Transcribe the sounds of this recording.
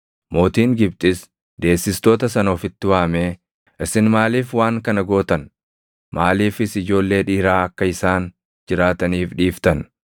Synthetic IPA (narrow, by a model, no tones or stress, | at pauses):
mo̞ːt̪iːŋɡɪb̚t̪ʼɪs | d̪e̞ːsːɪst̪oːt̪ɐsɐnɔfɪt̪ːɪwaːmeː | ʔɪsɪnmaːliːfwaːŋkɐnɐɡo̞ːt̪ɐn | maːliːfɪsɪd͡ʒo̞ːlːe̞ːᶑiːɾaːɐkːɐɪsaːn | d͡ʒɪɾaːt̪ɐniːfᶑiːft̪ɐn